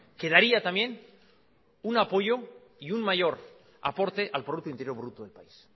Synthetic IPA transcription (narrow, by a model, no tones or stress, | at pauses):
ke̞ðaɾiat̪amjẽ̞n | unapo̞ʝo̞ | iunmaʝo̞ɾ | a̰po̞ɾt̪eʔalpɾouk̚t̪oint̪e̞ɾjo̞ɾβɾut̪oðe̞lpais